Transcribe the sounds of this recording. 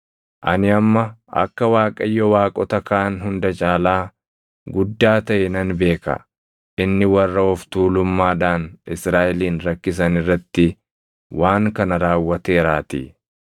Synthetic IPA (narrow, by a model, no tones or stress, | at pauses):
ʔɐnɪɐmːɐɐ̰kːɐwaːkʼɐjːɔwaːkʼɔt̪ɐkɐʔɐnɦʊnd̪ɐt͡ʃʼaːlaː | ɡʊd̪ːaːt̪ɐʔɛnɐnbe̞ːkɐ̰ | ʔɪnːɪwɐrːɐɔft̪uːlʊmːaːd̪aːnɪsɾaːʔɛliːnɾɐkːɪs̬ɐnɪrːɐt̪ːɪ | waːŋkɐnɐɾaːwːɐt̪e̞ːɾaːt̪ḭ